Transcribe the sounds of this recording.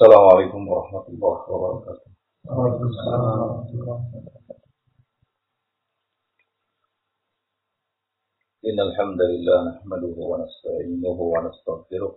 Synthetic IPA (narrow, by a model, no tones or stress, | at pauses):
salaːmʊʕalajkʊmwɑɾˤɑħmat̪lbɑɾˤħwabɑɾˤɑkaːt̪ʊ̥h | lakʊmsːalamɾˤt̪ːɑ | ʔɪnːalħamd̪alɪlːaːhnaħmad̪ʊhʊwanast̪aʕiːnʊɦʊwanast̪aɣfɪɾʊh